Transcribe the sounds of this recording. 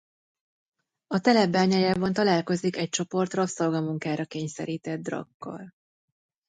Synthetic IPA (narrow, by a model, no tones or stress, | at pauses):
ɒt̪ɛlɛbːaːɲaːjaːvɒnt̪ɒlaːlko̞zikɛc̚t͡ʃo̞po̞rt̪rɒpsorɡɒmuŋkaːɾɒkeːɲsɛ̰ɾiːt̪ɛd̪̚d̪ːrɒ̰kːɒ̰l